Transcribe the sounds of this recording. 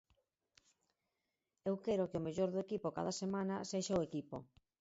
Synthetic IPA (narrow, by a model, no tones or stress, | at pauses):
ewkɛɾʊkeomeʎoɾðoekipʊka̰ðɐsemanɐseʃaoekipo̰